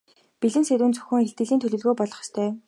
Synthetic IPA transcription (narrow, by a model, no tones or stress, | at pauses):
piɮɘ̆nseɾuːnt͡sɵ̥xʲɘ̆ŋeɬt̪ɡɘ̆ɮiːnt̪ʰɵɮɵ̆ɮɣoːpɔɮɞ̆χst̪ʰœː